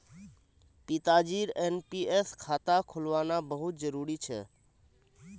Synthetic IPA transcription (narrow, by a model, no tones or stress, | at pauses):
pit̪ad͡ʒiːɾenpieskʰaːt̪akʰʊlʋaːnabəɦʊt̪̚d͡ʒəɾuːɾit͡ʃʰɛ̰